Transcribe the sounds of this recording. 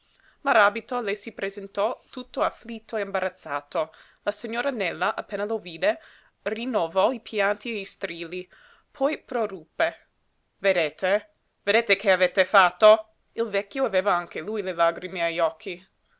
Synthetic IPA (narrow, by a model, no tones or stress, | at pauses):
maɾabit̪olesipɾezent̪ɔt̪ut̪ːoaflit̪ːoeimbaɾat̪sːaːt̪o | lasiɲːoːɾanɛlːaʔapːeːnaloviːd̪e | rinːovɔipʰjant̪ieist̪ɾiːli | pʰɔjpɾorupːe | ved̪eːt̪ʰe | ved̪eːt̪ekʰeavet̪ːefat̪ːo | ilvɛkːjoaveːvaaŋkelujlelaɡɾimeajɔkʰːi